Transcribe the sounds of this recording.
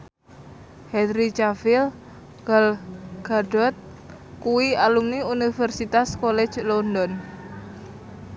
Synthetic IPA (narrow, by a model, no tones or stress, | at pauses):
hɛd̪ɾit͡ʃafil | ɡ̥alɡ̥aɖ̥ɔt̪̚ | kuwialumniunifɛrsit̪askolɛ̥d͡ʒlɔndɔn